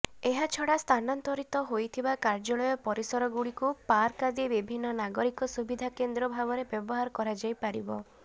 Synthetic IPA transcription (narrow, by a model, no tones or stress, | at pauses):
eɦat͡ʃʰɔɽast̪ʰanant̪ɔɾit̪ɔɦojt̪ʰibakaɾd͡ʒɔɭɔjɔpɔɾisɔɾɔɡuɽikupaɾkad̪ebibʱinːɔnaɡɔɾikɔsubid̪ʱakend̪ɾɔbʱabɔɾebjɔbɔɦaɾɔkɔɾad͡ʒajpaɾibɔ